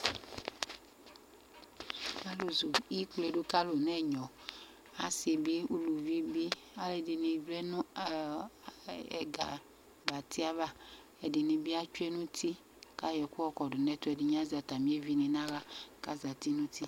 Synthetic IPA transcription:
ka˦lo˨zo˨˦i˦kle˨ɖo˦ka˦lo˨nɛ˦ɲɔ̃˨ | a˨se˨bi˦u˦lu˨vi˦bi˦ | a˦le˨di˨nẽ˨vlɛ˦nũ˦ | ɛ̰˨ɡa̰˨ | ba˨t̪i˦a˦va˦ | ɛ˨di˨nẽ˨bi˦a˦t͡ʃu˦ɛ˦nũ˦t̪i˦ | ka˦jɛ˨ku˦ɔ˦kɔ˨ɖo˨nɛ̃˦t̪ʊ˦ɛ˨dɪ˨ɲ˦ã˦zi˨a˨t̪a˨mĩ˦e˦vi˦nẽ˨nã˦ɣa˦ka˦za˨t̪i˦nũ˦t̪i˦

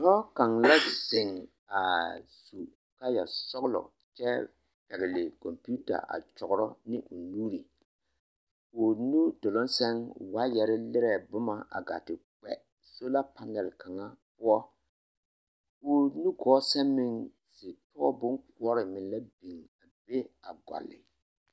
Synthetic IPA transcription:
tɔ˦ka˨ŋla˦z̥ɪ˨ŋ | a˨su˨ | ka˦ja̰˨sɔ˦ɣlɔ̰˨ | t͡ʃɛ˦ | pɛ˨ɣɪ˨lɪ˨kɔ˨mpi˦u˦ta̰˨ʔa̰˨t͡ʃɔ˨ɣʊ˨ɾɔ˦nɪ˦ʔʊ˨nu˦ɾi˨ | ʊ˨nu˦dʊ˨lʊ˦nsɛ˦ŋwa˦jɛ˨ɾɪ˦lɪ˦ɾɛ˨bʊ˦ma˨a̰˨ɡa̰˨tɪ˨k͡pɛ̰˨ | so˦la˦pa˨nɛ˨lka˨ŋa˦pʊ˦ɔ˦ | ʊ˦nu˦ɡɔː˨˦sɛ˦mːɪ˦ŋ | sɪ˨tɔː˦bʊ˦nkʊ˦ɔ˦ɾɪ˨mɪ˨n˦la˦bi˨ŋa˨be˦a˨ɡɔ̰˨lːɪ̰˨

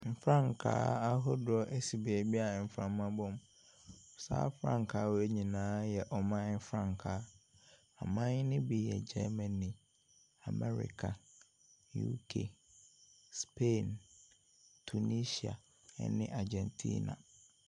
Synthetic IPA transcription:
m̩˨fɾã˦˨ŋkʰa̰ː˦a˦ɦɔ˦dʊ˨ɔ˦ʔe˦si˨bi˨ɛ˨bi˦a˨m̩˨fɾã˨mã˦bɔ̃˦m | sa̰ː˦fɾã̰˦ŋkʰaː˨˦wɔ˨e˦ɲĩ˨nãː˨˦jɛ˨ʔɔ˨mã˦m̩˦fɾã˦ŋkʰaː˦ | a̰˨mã˦ɲ˦nɪ̃˦bi˦jɛ̰˨d͡ʑɛ˦mɛ̃˨nĩ˨ | a˨mɛ˦ɾḭ˨kʰa˨ | jṵ˦kʰḛ˨ | spʰe˦˨n | tʰu˨ni˦si˨a̰˨ | ɛ̰˦nɪ̰̃˦ʔa˨d͡ʑɛ̃˨ntʰḭː˦nã̰˨

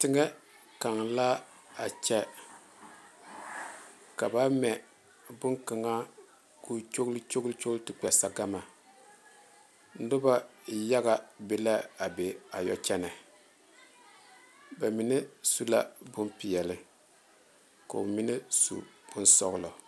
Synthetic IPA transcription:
tɪ˦ŋɛ˦ | ka˨ŋla˦ | a˨t͡ʃɛ˦ | ka˨ba˦mɛ˨ | bʊ˦ŋkɨ˨ŋa˦ | ku˦t͡ʃo˦ɣlt͡ʃo˦ɡlt͡ʃo˦ɡltɨ˨k͡pɛ˨sa˦ɡa˦ma˨ | n̩˦dʊ˦ba˦ja˦ɣa˨be˦la˦a˨be˨a˨jɔ˨t͡ʃɛ˦nɛ˨ | ba˨mi˨nɛ˦su˦la̰˦bʊ˦mpi˨jɛ˨lɨ˦ | ko̰˨mi˦nɨ˦sṵ˨b̥ʊ˦n˦sɔ̰˦ɣʊ˦lɔ˨

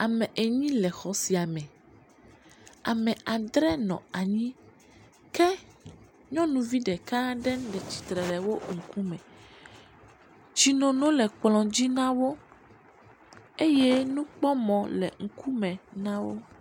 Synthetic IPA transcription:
a˨mɛ̃˨ʔe˨ɲĩ˦lɛ˨xɔ˨si˨a˨mɛ̃˨ | a˨mɛ̃˨a˨d̪ɾɛ˦nɔ̰̃˨a˨ɲĩ˦ | kɛ˦ | ɲɔ̃˦nũ˨vi˦ɖɛ˨kã˦ɖɛ˦n˦ɖɛ˨t͡ɕi̥˨t̪ɾɛ˨lɛ˨wo˦ŋ̩˨ku˦mɛ̃˨ | d͡ʑi˨nõ˨nõ˦lɛ˨k͡plɔ̃˨d͡ʑi˦nã˦wo˦ | e˦je˦nũ˦k͡pɔ˦mɔ̃˨lɛ̰˨ŋ̩˨ku˦mɛ̃˨nã˦wo˦

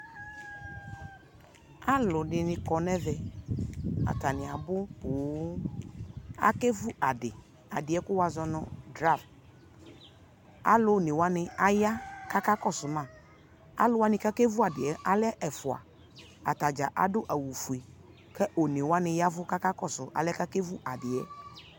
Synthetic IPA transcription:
a˦lʊ˨nɪ˨nɪ̃˨kɔ˨nɛ˦vɛ˨ | a̰˨ta˨nɪ̃˨a˨bʊ˦boː˨˦ | a̰˦ke˦vu˦ʔa˨dɪ˨ | a˨dɪ˨ɛ˦kʊ˦wa˨zɔ˦nʊ˦dɾa˦˨f | a̰˦lʊ˦˨ne˨wa˦nɪ˨a˦ja˦ka˦ka˦kɔ˦˨sʊ˨mã˦˨ | a̰˦lʊ˨˦wa˦nɪ̃˨ka˦ke˦vu˦a˨dɪ˨ɛ˨˦ʔa˨lɛ˦ʔɛ˨fʊ˨a̰˨ | a̰˨ta˨d͡ʒa˨ʔa̰˨dʊ˦ʔa˨wu˨fu˨e˨ | kɛ˦ʔo˨ne˨wa˦nɪ˨ja˦vʊ˦ka˦ka˦kɔ˦sʊ˨a̰˨lɪ˦ka˦ke˦vu˦ʔa˨dɪ˨ɛ̰˨˦

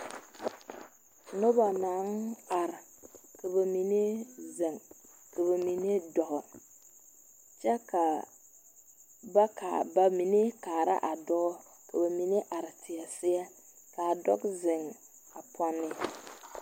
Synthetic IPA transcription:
nʊ˦ba˨naː˨˦na˨ɾɪ˨ | ka˨ba˨mi˨ne˦zɪ˨ŋ | ka˨βa˨mi˨ne˦dɔ˨ɣɔ˨ | t͡ʃɛ˦ka˨ | ba˦ka˨ba˨mi˨ne˦kaː˨ɾa̰˦ʔa˨dɔ˦ɡɔ˦ | ka˨ba˨mi˨ne˦ʔa˨ɾɪ˨tʰɪ˨a˨sɪ˦ɛ˦ | ka˨a˨dɔ̰˦ɡzɪ˨ŋ | a˨pʰɔ˦nːɪ˦

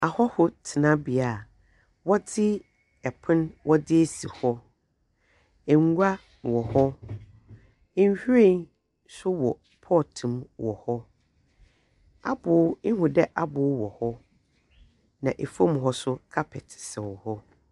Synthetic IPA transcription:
a˨hɔ˦hʊ˦tʰɪ˨nã˦bi˨a˨ | wɔ˦dɪ˦ | ɛ˨pʰʊ̃˦nwʔɔ˦dɪ˦e˦si˨hɔ˦ | ɛ˨ŋ˦ɡʷa˦˨ | wɔ˨hɔ˦ | n˦hᶣu˦ɾẽ˦n | sʊ˦wɔ˨ | pʰɔː˦˨tʰũ˨mwɔ˨hɔ˦ | a˦bʊ˨˦ɪ˦hʊ̃˨dɛ˦ʔa˦bʊ˨˦wɔ˨hɔ˦ | nã˨ʔe˨fõ˦m˨ɦɔ˦sʊ˦kʰa˦pʰɛ˨tsɛ˨wɔ˨hɔ˦

